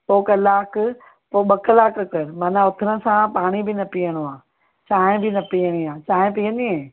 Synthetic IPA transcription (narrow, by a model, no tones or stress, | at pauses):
poːkɐlaːk | poːɓɐkʰlaːkkɐɾmɐnãʊt̪ʰɪɾə̆sãpaːɽ̃ibʱɪnɐpiːəɽ̃oaː | t͡ɕaːɦɪ̃bɪnɐpiːəɽ̃iaːt͡ɕaːɦɪ̃piːə̃nd̪iɦẽː